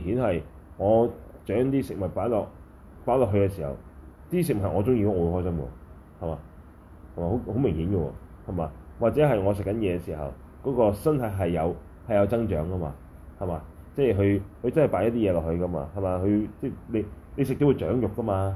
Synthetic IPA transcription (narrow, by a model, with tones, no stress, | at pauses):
mɪ˨ŋhiː˨˥nhɐ˨j | ŋɔː˨˧t͡ʃœː˨˥ŋt̪iː˥sɪ˨k̚mɐ˨t̪̚paː˨˥nlɔː˨k̚ | paː˨˥lɔː˨kɦɵ˧kɛ˧siː˨˩hɐ̰˨˩wt̪iː˥s̬ɪ˨k̚mɐ˨tɐ˩ŋɔː˨˧t͡sʊ˥ŋjiː˧kɔ˨˥ŋːɔ˧whɔː˥js̬ɐ˥mkɔ̰ː˧ | hɐ˨jmaː˨˧ | hɐ˨˩maː˨˧ho˨˦˥ho˨˥wmɪ˨˩ŋhiː˨˥nɡə˧wɔ̰ː˧hɐ˨jmaː˨˧wa˨k̚t͡sɛː˨˥ɦɐ˨jŋɔː˨˧s̬ɪ˨kːɐ˨˦njɛː˨˧ksiː˨˩ɦɐ̰˨˩w | kɔː˨˥kɔː˧sɐ˥nt̪ʰɐ˨˥jɦɐ˨jːɐ˨˧w | hɐ˨jɐ˨˧wt͡sɐ˥ŋt͡ʃœ̰ː˨˥ŋkɐ˥ma̰ː˧ | hɐ˨jmaː˨˧ | t͡sɛː˥˩ɦɵ˧ɥhɵ˧ɥt͡sɐ˥nhɐ˨jpaː˨˥jɐ˥t̪̬̚iː˥jɛː˨˧lɔː˨khɵ˧ɥkɐ˥ma̰ː˧hɐ˨jmaː˨˧hɵ˨˧ɥt͡sɛː˥˩le˨˧j | le˨˧js̬ɪ˨k̚t̪o˧wu˧t͡ʃœ̰ː˨˥ŋjʊ˨kːɐ˥maː˧